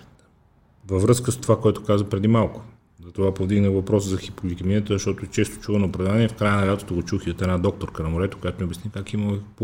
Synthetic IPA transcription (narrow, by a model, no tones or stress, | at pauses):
vəvɾɤskəst̪ovakoɛt̪o̥kazvəpɾɛd̪imalˠkʊ̥ | zɐt̪ovapovd̪iɡnəɣvɐpɾɔsəzɐxipoɡlit̪ɐminət̪əzəʃt̪ɔt̪oɛt͡ʃɛst̪o̥t͡ʃuvənəʊpɾɐvd̪aniɛfkɾajənɐlʲat̪o̥t̪oɡot͡ʃuxiot̪ɛnad̪ɔk̚t̪oɾkənɐmoɾɛt̪o̥kojat̪omɛobʲjɛsnikakiməp